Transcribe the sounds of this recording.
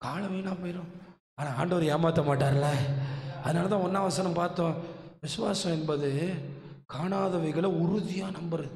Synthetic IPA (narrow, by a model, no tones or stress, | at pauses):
kaːlɐʋɐjnaːpoːjɪɾõ | aːnaːaːɳɖɐʋɐɾɯjeːmaːt̪ːɐmaːʈːaːɾɐlɐɐðɯnaːlɐt̪̬ãːɔnːaːʋɐsɐnɐmpaːɾt̪õːʋɪsʊʋaːsɐ̃ɛnbɐðɯ | kaːnaːðɐʋɐɪɣɐɭɐʊɾʊðɪjaːnɐmbɐɾɐðɯ